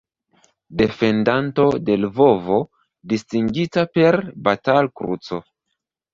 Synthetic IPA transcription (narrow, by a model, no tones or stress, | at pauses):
de̞fe̞ndanto̞de̞lvo̞vo̞ | distiŋɡitape̞ɾbatalkɾṵt͡so̞